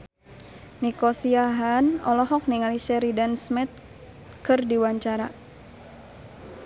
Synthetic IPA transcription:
nikɔsiaɦanɔ̰lɔɦɔk̚niŋalisɛɾidansmɛt̪̚ | kɨrdiwaɲt͡ʃaɾa

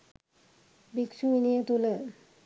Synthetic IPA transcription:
biksuinijət̪ulə

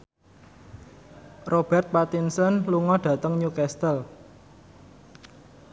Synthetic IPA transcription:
rʔob̥ɛ̤rt̪̚pat̪insɔnluŋɔɖ̥ä̤t̪əŋɲukɛst̪əl

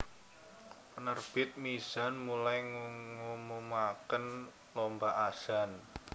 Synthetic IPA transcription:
ənərb̥ɪt̪̚miz̥a̤nmulajŋuŋumumakən | lombaʔaz̥an

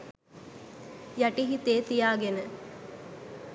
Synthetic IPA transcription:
jaʈiɦit̪eːt̪ijaːɡenə

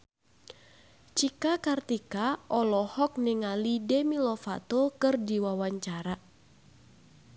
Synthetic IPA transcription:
t͡ʃikakart̪ikaʔɔlɔhɔk̚nɛŋalidɛmilɔfa̰t̪okɨrdiwawaɲt͡ʃaɾa

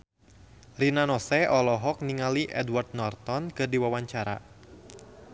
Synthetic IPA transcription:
rinanɔsɛʔɔlɔɦɔk̚niŋaliʔɛdwart̪̚nɔrt̪ɔnkɨrdiwawaɲt͡ʃaɾa̰

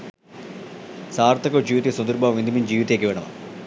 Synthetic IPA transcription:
saːɾt̪ɐkɐd͡ʑiːʋit̪isɐnd̪iɾbʱaʋind̪ʱimind͡ʑiːʋit̪eːkʲːeʋeːɳɐmɐ̰

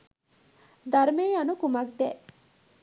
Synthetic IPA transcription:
d̪ɐɾmeːɐnukumɐk̚d̪e

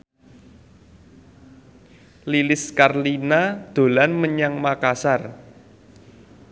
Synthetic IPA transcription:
lilɪskarlinad̪̥o̤lanməɲaŋmakasar

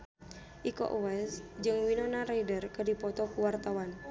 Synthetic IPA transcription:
ʔikɔ̰ʔwɛsd͡ʒɨŋwinɔnaɾaidərkədipɔt̪ɔkuwart̪awan

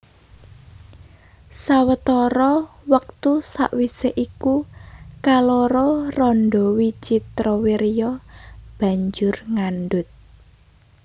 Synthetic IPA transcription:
sawət̪ɔɾɔwək̚t̪usa̰ʔwiseʔikukalɔɾɔrɔnɖɔwit͡ʃit̪ɾɔwiɾijɔb̥ä̤ɲd͡ʒʊrŋanɖʊt̪̚

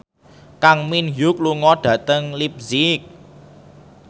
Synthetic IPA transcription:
kaŋminjuk̚luŋɔɖ̥ä̤t̪əŋlip̚zik̚

